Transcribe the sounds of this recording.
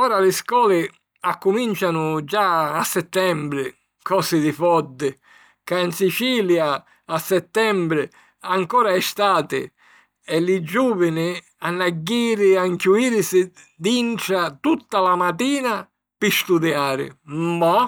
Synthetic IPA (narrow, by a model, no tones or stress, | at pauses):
ɔːɾalɪskɔːlɪ | akːumint͡ʃanʊd͡ʒaːsːɛt̪ːɛmbɾɪ | kɔːsɪd̪ɪfɔd̪ːɪ | kainsit͡ʃiːlja | asːɛt̪ːɛmbɾɪ | aŋkɔːɾaɛst̪aːt̪ɪ̰ | ɛlɪd͡ʒuːvɪnɪ | anːaɡːiːɾɪaŋkuiːɾsɪd̪int͡ʃat̪ut̪ːalamat̪iːna | pɪst̪ud̪jaːɾɪ̰ma